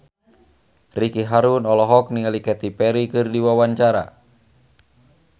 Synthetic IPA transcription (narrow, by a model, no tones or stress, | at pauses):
rikiɦaɾunɔlɔɦɔk̚niŋalikɛt̪ipɛɾikɨrdiwawaɲt͡ʃaɾa̰